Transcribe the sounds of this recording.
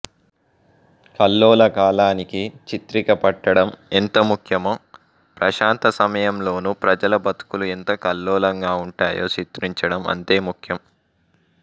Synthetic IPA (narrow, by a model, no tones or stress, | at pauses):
kɐlːɔːlɐkaːlaːnikit͡ʃit̪ɾikɐpɐʈːɐɽɐment̪ɐmukʰjɐmoː | pɾɐʃaːnt̪ɐsɐmɐjɐmlo̞ːnupɾɐd͡ʒɐlɐbɐt̪u̥kuluent̪ɐkɐlːɔːlɐŋɡaːuɳʈaːjo̰ːt͡ʃit̪ɾiɲt͡ʃɐɽɐmɐ̰nt̪e̞ːmukʰjɐm